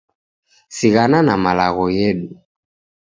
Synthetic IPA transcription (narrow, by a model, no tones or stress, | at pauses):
siɣananamalaɣɔjɛɗu